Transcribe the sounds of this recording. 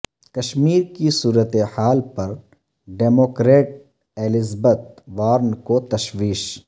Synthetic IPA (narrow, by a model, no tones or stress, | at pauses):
kɐʃmiːɾkisuːɾət̪ehaːlpɐɾ | ɖeːmoːkɾeːʈ̚ | eːlɪzbət̪̚ʋaːɾnkot̪ɐʃwiːʃ